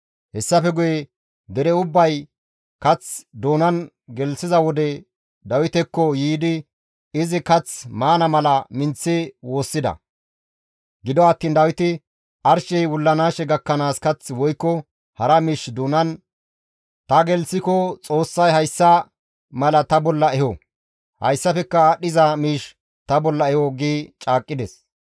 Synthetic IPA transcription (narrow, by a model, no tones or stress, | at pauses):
hɛsːɐfɛɡʊjɛ | d̪ɛɾɛʊbːɐj | kɐt͡sd̪oːnɐn | ɡɛlsɪzɐwɔd̪ɛ | d̪ɐwɪt̪ɛkːɔjiːd̪ɪ | ɪzɪkɐt͡smaːnɐmɐlɐmɪnt͡sːɪwo̞ːsːɪd̪ɐ̰ | ɡɪd̪ɔɐt̪ːiːnd̪ɐwɪt̪ɪ | ʔɐɾʃɛjwʊlːɐnaːʃɛɡɐkːɐnaːskɐt͡swɔjkːɔ | hɐɾɐmiːʃd̪uːnɐn | t̪ɐɡɛlsɪkɔt͡sʼo̞ːsːɐjhɐjsːɐ | mɐlɐt̪ɐbɔlːɐɛhɔ | hɐ̰jsːɐfɛkːɐɗɪzɐmiːʃ | t̪ɐbɔlːɐɛhɔɡiːt͡ʃʼaːkʼːɪd̪ɛs